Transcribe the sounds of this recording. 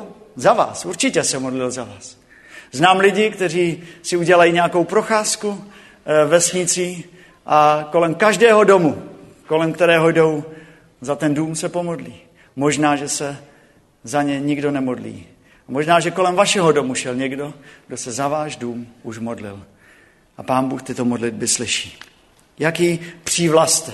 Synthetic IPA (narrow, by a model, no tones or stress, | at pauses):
zava̰ːsuɾt͡ʃɪcɛsɛmo̞dlɪlzavaːs | znaːmlɪɟɪkt̪ɛr̝iːsɪuɟɛlajiɲɛako̞wpɾo̞xaːsku | vɛsɲɪt͡siː | ʔako̞lɛmkaʒdɛːɦo̞do̞mu | ko̞lɛmkt̪ɛɾɛːɦo̞jdo̞w | zat̪ɛnduːmsɛpo̞modlḭː | mo̞ʒnaːʒɛsɛ | zaɲɛɲɪɡdo̞nɛmo̞dlḭː | amo̞ʒnaːʒɛko̞lɛmvaʃɛɦodo̞muʃɛlɲɛɡdo̞ɡdo̞sɛzavaːʒduːmuʃmo̞dlɪ̰l | ʔapaːnbuːxt̪ɪt̪omo̞dlɪd̚bɪslɪʃi̥ː | jakiːpr̥iːvlast̪